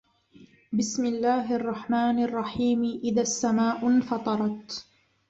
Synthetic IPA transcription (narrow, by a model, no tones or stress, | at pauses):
bɪsmɪlːaːɦʔɑrˤːɑħmaːnɑrˤːɑħiːmʔɪðaːsːamaːʔʊnfɑt̪ˤɑɾˤɑt̪